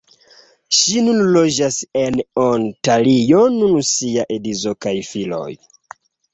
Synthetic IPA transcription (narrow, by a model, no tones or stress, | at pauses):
ʃinunlo̞d͡ʒasenontalijonunsijaʔedizokajfilo̰j